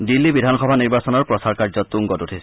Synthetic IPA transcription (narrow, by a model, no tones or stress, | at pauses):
dilːibidʱanxɔbʱaniɹbasɔnɔɹpɹɔsaɹkaɹzɔtːuŋɡɔtutʰis